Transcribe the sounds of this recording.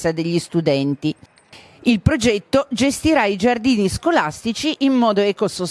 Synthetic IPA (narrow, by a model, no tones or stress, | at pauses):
sad̪eʎːist̪ud̪ɛnt̪i | ilpɾod͡ʒɛt̪ːod͡ʒest̪iɾaid͡ʒard̪iːniskolast̪it͡ʃiʔimːɔːd̪oɛkoso